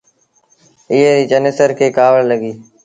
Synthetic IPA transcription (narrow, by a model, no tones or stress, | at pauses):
ɪɦeːɾiːd͡ʒənɪsəɾkʰeːkaːʋəɽləɡiː